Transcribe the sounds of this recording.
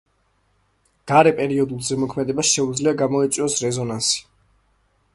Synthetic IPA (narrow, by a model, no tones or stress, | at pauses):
ɡ̥aɾɛpʼɛɾiɔd̪ulˠzɛmɔkʰmɛd̪ɛbasʃɛud̪zliaɡamɔɛt̪sʼwɔsɾɛzɔnansi̥